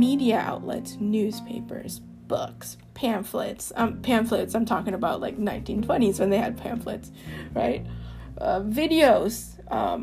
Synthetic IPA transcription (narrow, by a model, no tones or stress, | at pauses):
miɾiɨʔa̰ʊʔˡlɛ̰tsnʉz̥pʰeɪpə̰˞z̥ | b̥ʊks | pʰæ̃ɱflɪ̰tsʌ̃pʰæ̃nflɨtsãɪ̃mtʰɔkɪ̃ŋəbaʊʔˡla̰ɪk̚nãɪ̃ntʰĩntʰw̥ɛ̃ɾ̃izwɨ̃nðeɪɨd̚pʰæ̰̃ɱflɨ̰ts | ɹa̰ɪt̚ʔʌvɪɾioʊz̥ | ʔʌ̰̃